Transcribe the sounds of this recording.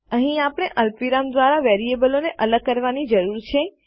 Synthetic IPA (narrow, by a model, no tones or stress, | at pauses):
əɦĩapəɽ̃eʔəlpʋiɾamd̪ʋaɾaʋeɾiebəloneʔələɡ̚kəɾʋanid͡ʒəɾuɾt͡ʃʰe